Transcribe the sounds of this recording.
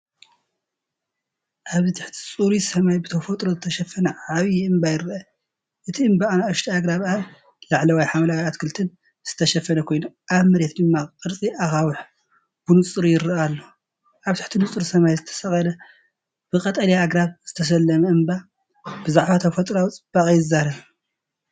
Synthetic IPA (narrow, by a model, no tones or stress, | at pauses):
ʔaβzɨt̪ʰɨħt̪ʰi̥t͡sʼuɾisɐmajbɨt̪ʰɐfɐt̪ʼɾozɨt̪ʰɐʃɐfɐnɐʕaβjiɨmbajɪɾʔɐ | ʔɨt̪ʰiɨmbaanaɨʃt̪ʰiaɡɾaβaβ | laʕlɐwajħamlawajat̪kʰɨlt̪ʰɨn | z̥ɨ̥t̪ʰɐʃɐfɐnɐkʰo̞jnuʔaβmɨɾe̞t̪d̪ɨmːaqʼɨɾt͡sʼiʔaxawɨħ | b̥ɨnut͡sʼɨɾujɪɾɐalːo | ʔaβt̪ʰɨ̥ħt̪ʰinut͡sʼɨɾusɐmajzɨt̪ʰɐ̥sɐχʼɐlɐ | b̥ɨqʼɐt̪ʼɐliaɡɾaβz̥ɨt̪ʰɐs̬ɐlːɐmɐɨmba | bɨzaʕβat̪ʰɐfɐt̪ʼɾawt͡sʼɨb̥ːakʼjɪzːaɾɐβ